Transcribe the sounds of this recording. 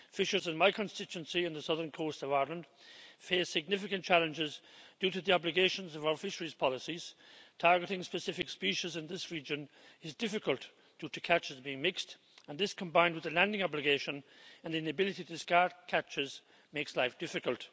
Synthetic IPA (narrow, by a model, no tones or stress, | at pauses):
fɪʃə˞zɨ̃nmaɪkʰə̃nstɪt͡ʃuə̃nsiɨ̃nðəsʌðə̃˞nkʰoːstʌvaɪɹlə̃nd̥feɪ̥sɪɡ̚nɪfɪkə̃nt͡ʃʰalə̃nd͡ʒɪzdjʉːɾɨðiɑblɨɡeɪʃə̃nzʌvaʊə˞fɪʃəɹiz̥pʰɑlɪsiz̥tʰaɹɡəɾɪ̃ŋspɨsɪfɪkspiʃɪzɪ̃nðɪsɹid͡ʒə̃n | ɪzdɪfɨkəlˠt | d̥ʉɾɨkʰæt͡ʃɪzbiɪ̃ŋmɪkst | ə̃nðɪskʰə̃mbãɪ̃nd̚wɨðəlæ̃ndɪ̃ŋɑblɨɡeɪʃə̃nə̃nðiɪ̃nəbɪlɪtitʰɨskaɹd̚kʰat͡ʃɪz | meɪkslaɪfd̥ɪfɨkəlˠt